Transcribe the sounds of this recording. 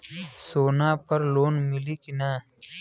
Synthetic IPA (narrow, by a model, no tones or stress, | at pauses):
soːnapɐɾloːnmɪlikinaː